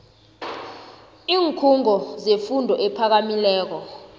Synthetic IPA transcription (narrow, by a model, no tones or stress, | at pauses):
iːŋkʰuŋɔzefundʱɔʔɛpʰak̬amilɛːk̬ɔ